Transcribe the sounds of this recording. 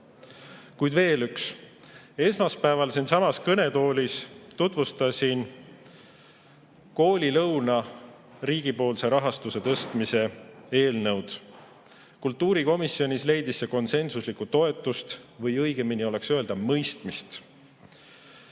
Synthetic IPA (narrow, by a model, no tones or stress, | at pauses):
kujd̪̥ve̞ːlyks | e̞smɑspæevɑlsinsɑmɑskɤne̞t̪o̞ːlʲist̪ut̪vust̪ɑsʲin | ko̞ːlʲilɤwnɑ | riːɡ̥ipo̞ːlse̞ɾɑɦɑst̪use̞t̪ɤst̪mise̞e̞ːlnɤwd̪̥ | kult̪ːuːɾiko̞misːio̞nʲisle̞jd̪isːeko̞nse̞nsuslikːut̪o̞e̞t̪ːˑust̪vɤjɤjɡ̥e̞minio̞le̞ksøeld̪̥ɑmɤjst̪mist̪